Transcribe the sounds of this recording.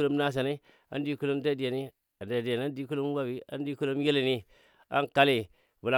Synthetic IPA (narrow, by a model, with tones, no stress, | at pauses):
lo˦m˦na˦s̬a˨ni˦ | a̰˨˦n˦di˦ku˦lo˦mda˦˨di˨ja˨ni˦ | a˨nda˨di˨ja˨n˦a˦n˦di˦ku˦lo˦m˦wa˦bi˦a̰˦n˦di˦ku˦lo˦m˦je˦le˨ni˦ | a̰˦nka˦le˨ | vu˨la˨